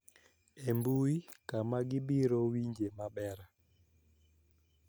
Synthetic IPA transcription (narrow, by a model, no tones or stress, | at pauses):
ɛmbuikamaɡibiɾɔwiɲd͡ʒemaɓɛɾa